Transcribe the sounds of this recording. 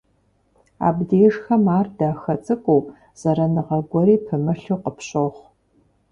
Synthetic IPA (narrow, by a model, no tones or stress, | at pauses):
a̰ːbdeːʐxɐmaːrdaːxɐt͡sʼɨkʷʼuː | z̥ɐɾɐnɨʁɐɡʷɔɾiːpʰɨmɨɬuːqəpɕoχʷ